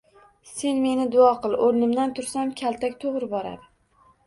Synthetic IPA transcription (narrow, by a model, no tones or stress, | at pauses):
se̞nme̞nɪd̪ʊɒqɨlˠʔoɾnɪmd̪ant̪ʰʊɾsamkʲʰalt̪ʰakʲt̪ʰoʁɾɪbɒɾa̰d̪ɪ